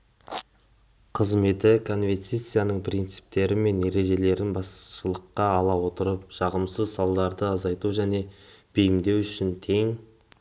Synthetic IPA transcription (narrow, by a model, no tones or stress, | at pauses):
qʰəzme̞t̪ɪkʰo̞nvet̪sijt̪sijanəɴpʰɾint̪sɨ̥p̚t̪e̞ɾɪme̞ne̞ɾe̞ʒe̞le̞ɾɪnbɑsʃəlˠəqːɑːlˠɑwo̞t̪əɾəp̚ʃɑʁəmsəzsɑlˠd̪ɑɾd̪əɑzɑjt̪uʒæne̞b̥ɪjɪmd̪e̞wʏʃɪnt̪ʰeŋ